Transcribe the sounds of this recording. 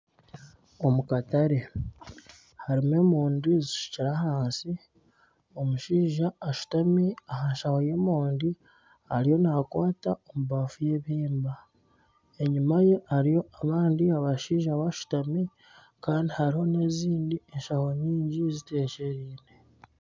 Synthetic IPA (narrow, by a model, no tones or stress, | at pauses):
o̞mukataɾe̞ | haɾime̞muːndiziʃu̥ciɾahaːnsi | o̞muʃiːʒaːʃu̥tamiaɦaɲʃaho̞je̞ːmoːndi | haɾijo̞nakwaːtaomuβafuje̞ːβiːmba | e̞ɲimaje̞haɾijo̞aβaːndiaβaʃiːʒaβaʃu̥tami | kaːndihaɾiho̞ne̞ziːndie̞ɲʃaho̞ɲiːɲɟizite̞ːʃe̞ɾiːne̞